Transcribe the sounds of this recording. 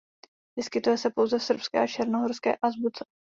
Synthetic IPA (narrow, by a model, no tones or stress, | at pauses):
vɪskɪt̪ujɛsɛpo̞wzɛfsr̩pskɛ̰ːat͡ʃɛɾnoɦoɾskɛ̰ːʔazbut͡sɛ̥